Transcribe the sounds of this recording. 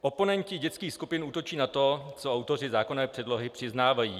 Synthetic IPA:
ʔo̞po̞nɛɲcɪɟɛt͡skiːxskupɪnʔuːt̪o̞t͡ʃiːnat̪o̞t͡soawt̪o̞rɪzaːkonɛːpr̝̥ɛdlo̞ɦɪpr̝̥ɪznaːvajiː

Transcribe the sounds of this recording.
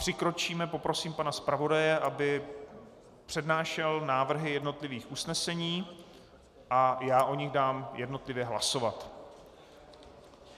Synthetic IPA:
pr̥ɪkɾo̞t͡ʃiːmɛpo̞pɾo̞siːmpanaspɾavo̞dajɛʔabɪ | pr̝̥ɛdnaːʃɛlnaːvr̩ɦɪjɛdno̞t̪lɪviːxʔusnɛsɛɲiː | ʔajaːʔo̞ɲɪɣdaːmjɛdno̞t̪lɪvjɛɦla̰so̞vat̪

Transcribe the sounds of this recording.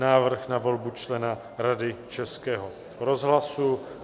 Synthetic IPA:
naːvr̩xnavo̞lbut͡ʃlɛna | ɾadɪt͡ʃɛskɛːɦo | ɾozɦlasu

